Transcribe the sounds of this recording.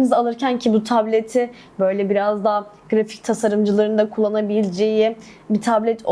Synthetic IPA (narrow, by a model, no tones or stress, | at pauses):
nɯzalˠɯɾcæncʰibut̪ʰablʲet̪ʰɪ | bø̞jlʲɛbiɾazd̪aɦa | ɡ̥ɾafi̥c̚t̪ʰasaɾɯmd͡ʒɯlˠaɾɯnd̪akʰulˠːanabilʲd͡ʒe̞ji | bit̪ʰablʲɛt̪ʰ